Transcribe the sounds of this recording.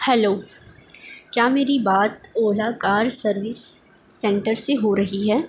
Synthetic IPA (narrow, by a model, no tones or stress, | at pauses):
hɛloː | kjaːmeːɾibaːt̪oːlakaːɾsɐɾʋɪsː | ɛ̃ɳʈəɾseɦoɾɐɦiɦɛː